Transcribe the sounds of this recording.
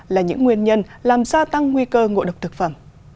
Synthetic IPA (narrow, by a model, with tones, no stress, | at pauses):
laː˨˩ɲɨ̰˧˥ŋːwi˧ənɲə˧n | laː˨˩mzaː˧t̪a˧ŋːŋwi˧kəː˧ŋo̰˧˨ɗə˨˩wk͡p̚t̪ʰɨ˨˩k̚fə̰˧˩˨m